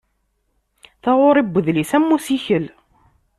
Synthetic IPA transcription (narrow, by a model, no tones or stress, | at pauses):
θɑʁoɾˤibʷːəðlisæmːusiçəl